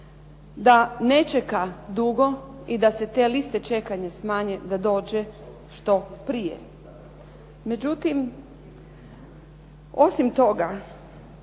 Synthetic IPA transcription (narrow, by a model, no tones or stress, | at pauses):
d̪ane̞t͡ʃekad̪uɡo̞ | id̪ase̞t̪e̞ːlist̪e̞t͡ʃe̞kaɲasmaːɲed̪ad̪o̞ːd͡ʒe | ʃt̪o̞pɾijḛ | me̞d͡ʑut̪im | osimt̪o̞ɡa